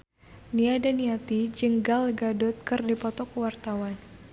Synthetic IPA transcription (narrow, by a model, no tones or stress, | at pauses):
niadaniat̪id͡ʒəŋɡalɡadɔt̪̚kərdipɔt̪ɔkəwart̪awan